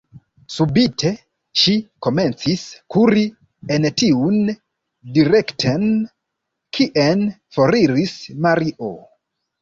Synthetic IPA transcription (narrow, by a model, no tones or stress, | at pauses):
subitʰe̞ | ʃiko̞me̞nt͡siskuɾi | entiun | diɾektʰen | kʰiʔen | foɾiɾismaɾiʔo